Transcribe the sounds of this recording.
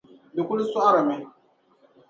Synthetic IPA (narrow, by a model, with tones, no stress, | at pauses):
bɪ˨kʷʊ˦lu˦sɔ˦a˦ɾa˨mɪ˦